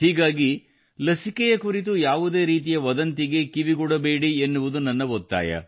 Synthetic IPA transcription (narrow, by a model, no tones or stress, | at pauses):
ɦiːɡaːɡi | lɐsikɛjɐkuɾit̪̬ujaːʋud̪e̞ːɾiːt̪̬ijɐʋɐd̪ɐnt̪iɡe̞kiʋiɡɔɽɐbe̞ːɽienːuʋud̪unɐnːɐʋot̪ːa̰ːjɐ̰